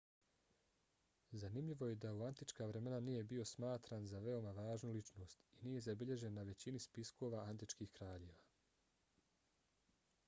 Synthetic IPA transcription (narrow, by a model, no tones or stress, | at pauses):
zanimʎiʋo̞je̞d̪auant̪it͡ʃkaːʋɾe̞me̞naniːje̞bio̞smaːt̪ɾaːnzaʋe̞o̞maʋaːʒnulit͡ʃno̞ːst̪iniːje̞zabiʎe̞ʒe̞nːaʋe̞t͡ɕinispisko̞ːʋaʔant̪̬it͡ʃkiːxkɾaːʎe̞ːʋaː